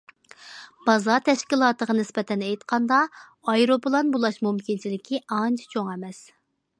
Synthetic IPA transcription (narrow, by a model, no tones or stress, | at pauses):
b̥ɑzɑt̪ʰɛʃkʲilˠɑːt̪əʁɑnɪspɛt̪ʰɛnɛjt̪qʰɑnd̪ɑ | ɑjɾopɨlˠɑnbulˠɑʃmumkʲint͡ʃʰilɪkʲʰiɑnt͡ʃʰi̥t͡ʃʰoŋɛmɛs